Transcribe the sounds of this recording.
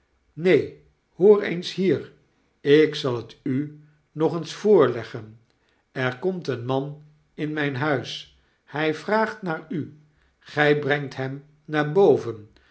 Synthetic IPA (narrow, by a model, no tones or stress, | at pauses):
nej | hoːɹḛjnsɦiːr | ɪksɑlˠəty | nɔχənsfʊːɹlɛχən | ɛɹkɔmtənmɑn | ɪnmɛjnɦœɥs | hɛjvraːχtnaːɹy | χɛjbrɛŋtɦɛm | naːɹbowvən